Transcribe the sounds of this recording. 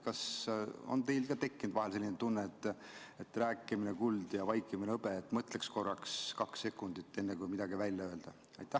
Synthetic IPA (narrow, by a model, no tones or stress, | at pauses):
kɑso̞̰nt̪e̞jlkɑt̪e̞kːind̪vɑɦelse̞lːinet̪unːeːt̪ːˑ | et̪ːræːkːˑiminekuld̪̥jɑvɑjkːˑimineɤbeːt̪ːˑmɤt̪leksko̞rːɑkskɑksːe̞kːˑund̪it̪ːˑe̞nːekujmid̪̥ɑɡivælʲjɑøe̞ld̪̥ɑ | ɑjt̪ːˑæh